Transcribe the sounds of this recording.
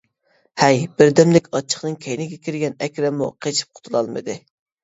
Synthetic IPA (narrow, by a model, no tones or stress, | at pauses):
hɛjbɪɾd̪ɛmd̪ɪkʲɑt͡ʃʰːə̥χnɨŋkʲʰɛjnɪɡʲɛkʲʰiɾɡʲɛnɛkʲɾɛmṵqʰet͡ʃʰi̥p̚qʰʊ̥t̪ʰulˠɑlˠmɨ̰d̪ɨ